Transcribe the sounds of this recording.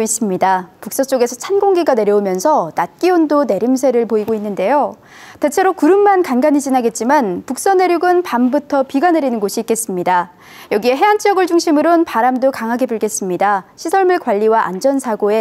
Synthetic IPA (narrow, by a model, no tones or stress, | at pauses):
is͈ɯmɲidapuk̚s͈ʌt͡ɕ͈oɡe̞sʰʌt͡ɕʰanɡoŋɡiɡane̞ɾjʌumjʌnsʰʌnat̚k͈iondone̞ɾums̬ʰe̞ɾɯɭpoiɡoinːɯnde̞jo | te̞t͡ɕʰe̞ɾokuɾɯmːankanɡaɲid͡ʑinaɡe̞t̚t͡ɕ͈imanpuk̚s͈ʌne̞ɾjuɡɯnpambutʰʌpiɡaneɾinɯnɡoɕʰiːk͈e̞s͈ɯmɲida | jʌɡie̞ɦe̞ant͡ɕ͈ijʌɡɯɭd͡ʑuŋɕʰimɯɾonpaɾamdokaŋɦaɡe̞buɭɡe̞s͈ɯmɲidaɕʰisʰʌɭmɯɭkwaʎːiwaʔand͡ʑʌnsʰaɡoe̞